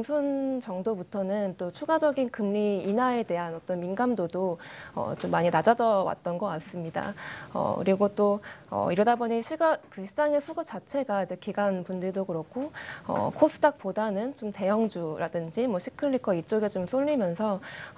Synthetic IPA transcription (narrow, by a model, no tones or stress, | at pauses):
ŋsʰunt͡ɕʌŋdobutʰʌnɯnt͈ot͡ɕʰuɡad͡ʑʌɡinkɯmːiːnae̞de̞ɦanʌt͈ʌnminɡamdodoʌ̰t͡ɕomːaɲinad͡ʑʌd͡ʑʌwa̰t̚t͈ʌnɡʌk͈as͈ɯmɲida̰ʌ̰kɯɾiɡot͈oʌ̰iɾʌdabʌɲiɕʰiɡakɯɕʰid͡ʑaŋe̞sʰuɡɯp̚t͡ɕ͈at͡ɕʰe̞ɡaid͡ʑe̞kiɡanpundɯɭdoɡɯɾʌkʰoʌ̰kʰos͈ʰɯ̥dak̚p͈odanɯnt͡ɕomte̞jʌŋd͡ʑuɾadɯnd͡ʑimwʌɕʰi̥kʰɯɭːikʰʌit͡ɕ͈oɡet͡ɕomsʰoɭːimjʌnsʰʌ